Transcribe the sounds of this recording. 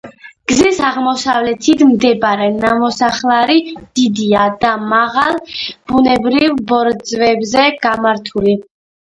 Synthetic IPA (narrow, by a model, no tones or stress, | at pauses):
ɡ̥zisaʁmɔsavlɛt̪ʰit̪ʰmd̪ɛbɾɛnamɔsaχlˠaɾid̪̥id̪iad̪amaʁalˠb̥unɛbɾivbɔɾd̪zvɛbzɛɡ̥amaɾt̪ʰuli